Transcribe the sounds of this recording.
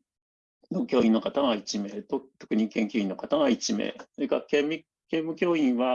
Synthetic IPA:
nokʲo̞ːĩnːo̞kat̪aɡait͡ɕime̞ːt̪ot̪o̞kɯ̟ɲ̟ikẽ̞ŋkʲoːĩno̞kat̪aɡait͡ɕimḛːsoɾekakemi | kẽ̞mːɯ̟kʲo̞ːĩɰ̃βa

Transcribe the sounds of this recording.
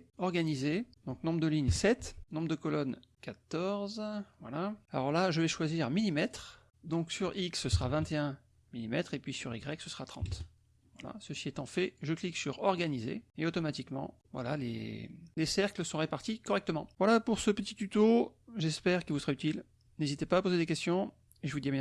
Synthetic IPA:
ɔʁɡanized̪̥ɔ̃k̚nɔ̃bʁd̪əliɲsɛt̪nɔ̃bʁd̪əkɔlɔnkat̪ɔʁzvwa̰laalɔ̰ʁlaʒəvɛʃwaziʁmilimɛt̪χ | d̪ɔ̃ksyʁiksːəsəʁavɛ̃t̪eɛ̃ | milimɛt̪χepɥisyʁiɡʁɛksəsəʁat̪χɑ̰̃t̪ | vwala̰səsiɛt̪ɑ̃fɛʒəkliksyʁɔʁɡanizḛeot̪ɔmat̪ikmɑ̰̃ | vwa̰la̰lḛlesɛʁkləsɔ̃ʁepaʁt̪ikɔʁɛk̚t̪əmɑ̃vwalapuʁsəpət̪it̪yt̪oʒɛspɛʁkʲilvusəʁayt̪il | nezit̪epaːpozed̪ekʲɛst̪jɔ̃ | eʒəvud̪ijɛ̃

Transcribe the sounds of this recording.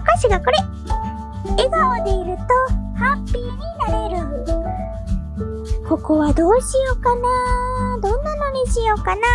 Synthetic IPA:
kaɕiɡako̞ɾe̞ | eɡaod̪e̞iɾɯ̟t̪o̞hãmpʲiɲ̟inaɾe̞ɾɯ̟ | ko̞ko̞βad̪o̞ːɕijo̞kanad̪õ̞nːano̞ɲ̟iɕijo̞kana

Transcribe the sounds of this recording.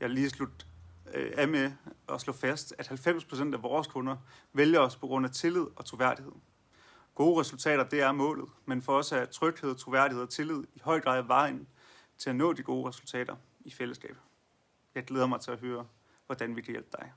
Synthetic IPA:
jɑ̈ɪliːslud̥ | æmeɒ̽slɔ̽fæsd̥æ̥hælfem̰spʰʁo̝sen̰d̥æʋɒːskʰɔ̽nɐ | ʋeljɐɒ̽spʰɒ̽ɡ̥ʁɔ̽n̰æt͡sʰe̝lið̞̰ˠɒ̽t͡sʰʁoːʋæɐ̰d̥ihe̝ð̰ˠ | ɡ̥o̝ːʁɛsult͡sʰɛ̰ːɾ̥ɐd̥e̝æɐmɔ̰̽ːlð̩ˠmenfɒɒ̽sæt͡sʰʁœɡ̥he̝ð̰ˠt͡sʰʁo̝ʋæɐ̰d̥ihe̝̰ɒt͡sʰe̝lið̞̰ˠiɦɒ̽ɪ̰ɡ̥ʁɑ̰̈ːðˠʋɑ̈ɪɪ̰n | t͡sʰe̝lænɔ̰ːd̥iɡ̥o̝ːʁɛsult͡sʰɛ̰ːɾ̥ɐ | ifel̰əsɡ̥ɛ̰ːb̥ | jɑ̈ɪɡleːð̞ˠɐmɑ̈ɪt͡sʰe̝læɦøːɐ | ʋɒd̥ænʋikʰæjel̰b̥̚d̥ɑ̈ɪ

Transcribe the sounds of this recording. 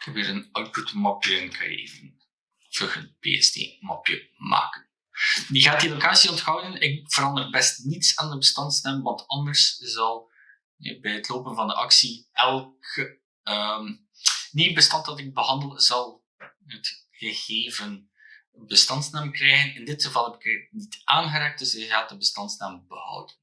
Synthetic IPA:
ɪkhɛpiːɾənœwtputmɑpjəɛnkʰa̰ːjə̰ḛːvən | v̥əxənpḛɛ̰stḛːmɑ̰pjə̰ma̰ːkən | diɣaːt̚dilokaːsiɔntxɔwdənɪkv̥əɾɑndərbɛstnitsaːndəbəstɑntsnɛmʋɑntɑndərszɑlˠ | ɛ̰bɛjətloːpənvɑndəʔɑ̰ksiɛlˠk | əm | nibəstɑntɑtɪɡ̚bəɦɑndəlˠzɑlˠ | ɦət | xəɣeːvən | bəstɑntsnamkrɛjɣənɪndɪtxəvɑlˠɦɛbɪkənitʔaːnɣəɾaːk̚dɵsɪɣaːt̚dəbəstɑntsnambəhɔ̰wdən

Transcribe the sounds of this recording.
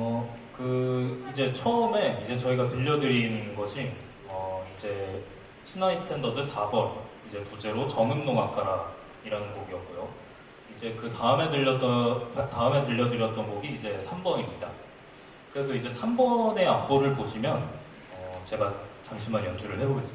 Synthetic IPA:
ʌ | kɯid͡ʑe̞t͡ɕʰʌɯme̞id͡ʑe̞t͡ɕʌiɡatɯʎːʌdɯɾininɯnɡʌɕʰi | ʌid͡ʑe̞ | t͡ɕʰinais͈ʰɯ̥tʰe̞ndʌdɯsʰabʌn | id͡ʑe̞pud͡ʑe̞ɾot͡ɕʌŋɯnnoŋakʰaɾa | iɾanɯnɡoɡiʌk̚k͈ojo | id͡ʑe̞kɯtaɯme̞dɯʎːʌt͈ʌptaɯme̞tɯʎːʌdɯɾjʌt͈ʌnɡoɡiːd͡ʑe̞sʰambʌɲimɲida | kɯɾe̞sʰʌid͡ʑe̞sʰambʌne̞ap̚p͈oɾɯɭpoɕʰimjʌn | ʌt͡ɕe̞ɡat͡ɕaŋɕʰimanjʌnd͡ʑʰuɾɯɭɦe̞boɡe̞s͈ɯm

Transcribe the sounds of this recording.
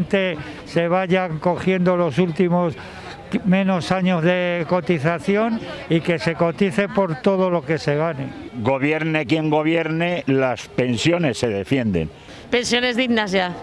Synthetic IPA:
nt̪e̞ | se̞β̞aʝaŋko̞xje̞nd̪o̞lo̞sult̪imo̞s | mẽ̞no̞saɲo̞zðe̞ko̞t̪iθaθjo̞nike̞se̞ko̞t̪iθe̞po̞ɾt̪o̞ð̞o̞lo̞ke̞se̞ɣ̞anḛɡo̞βje̞ɾne̞kje̞ŋɡo̞β̞je̞ɾnelaspe̞nsjo̞ne̞sːe̞ðe̞fje̞nd̪e̞̰n | pensjo̞ne̞zðiɣnasja

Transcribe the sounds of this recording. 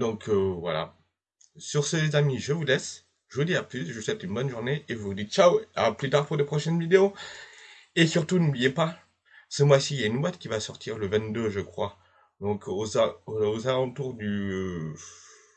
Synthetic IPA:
d̪ɔ̃kʰøvwa̰la̰ | syʁsezamiʒəvulɛs | ʒəvud̪iaplysʒəswɛt̪ynbɔnʒuʁneevuvud̪it̪̚t͡ʃawaplyt̪aʁpuʁd̪epχɔʃɛnvid̪eo | esyʁt̪unublijepa | səmwasiljaynbwat̪kʲivasɔʁt̪ʰiʁləvɛ̃t̪̚d̪øʒəkχwa | d̪ɔ̃kozaozalɑ̃t̪uʁd̪y

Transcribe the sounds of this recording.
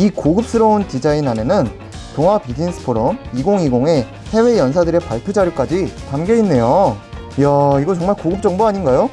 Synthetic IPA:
ikoɡɯp̚s͈ɯɾʌunkid͡ʑainane̞nɯn | toŋɦwapid͡ʑinsʰɯ̥pʰoɾomiɡoŋiɡoŋe̞ | he̞we̞jʌns̬ʰadɯɾe̞paɭpʰjod͡ʑaɾjok͈ad͡ʑitamɡe̞inːe̞jo | jaiɡʌt͡ɕʌŋmaɭkoɡɯp̚t͡ɕ͈ʌŋboaɲinɡajo

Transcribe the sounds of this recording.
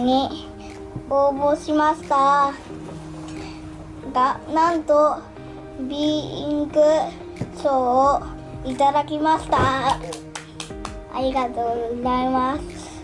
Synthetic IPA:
ɲi | oːbo̞ɕimaɕi̥t̪a | ɡanãnt̪o | bʲiĩŋkɯ̟ | ɕoː | it̪ad̪akʲimaɕi̥t̪a | a̰ɾʲiɡat̪o̞ːɡozaimasɨ̥

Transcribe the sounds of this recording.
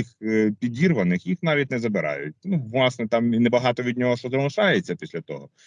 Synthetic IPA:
ixpʲidʲirʋɐnɪxjixnɑʋʲit̚ʲnɛzɐbɪɾɑ̰jʊ̰t̚ʲnuʋlˠɑsnɛt̪ɑminɛbɐɦɑt̪ɔʋʲid̪ʲnʲɔɦɔʃt̪ɔzɐmˠʊʃɑjet͡sʲːɐpʲisʲlʲɐt̪ɔ̰ɦɔ

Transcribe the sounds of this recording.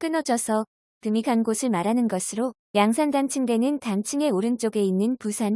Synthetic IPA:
k͈ɯnʌd͡ʑʌsʰʌ | kɯmikʰanɡosʰɯɭmaɾanɯnɡʌsʰɯɾo | jaŋsʰandant͡ɕʰɯŋde̞nɯntant͡ɕʰɯŋe̞oɾɯnt͡ɕ͈oɡe̞inːɯnpusʰan

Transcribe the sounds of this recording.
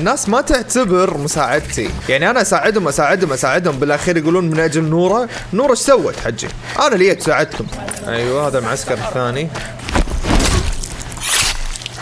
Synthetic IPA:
ʔnːaːsmat̪ɪʕt̪abɪɾmʊsaːʕɪd̪̚t̪ʰḭjaʕniʔanaʔasaːʕɪd̪hʊmʔasaːʕɪd̪hʊmʔasaːʕɪd̪hʊmbɪlʔaxiːɾjɡuːluːnmɪnʔad͡ʒalnuːɾˤa | nuːɾˤɑʃsawːa̰t̪ħad͡ʒːḭ | ʔanalijːat̪saːʕɪd̪kʊmʔajwahaːðamʕaskɑɾˤθːaːni

